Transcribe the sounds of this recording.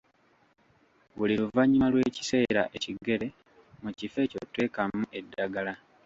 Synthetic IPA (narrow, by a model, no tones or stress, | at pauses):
βuliluvaɲimalwe̞ːci̥se̞ːɾa̰ʔe̞ciɡe̞ɾe̞ | mucife̞ːcotːwe̞ːkamuʔe̞dːaɡala